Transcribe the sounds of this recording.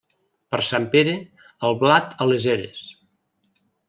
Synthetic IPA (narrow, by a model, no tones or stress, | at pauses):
pəɾsampeɾe | əlˠβlat̪əlezeɾḛs